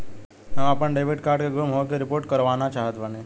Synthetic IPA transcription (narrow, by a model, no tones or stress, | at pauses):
ɦəməpəɳɖeːbɪʈkaːɾɖkeɡʊmɦokeɾɪpoːɾʈkɐɾʋaːnat͡ʃaːɦət̪bəneː